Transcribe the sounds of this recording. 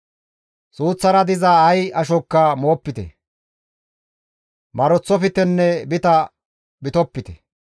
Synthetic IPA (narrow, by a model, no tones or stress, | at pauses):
suːt͡sːɐɾɐd̪ɪzɐːjɐʃɔkːɐmo̞ːpːɪt̪ɛ̰ | mɐɾɔt͡sːɔfɪt̪ɛnːɛbɪt̪ɐ | bɪt̪ɔpːɪt̪ɛ̥